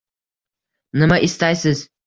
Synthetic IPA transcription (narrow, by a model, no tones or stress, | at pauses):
nɨmaʔist̪ajsɨz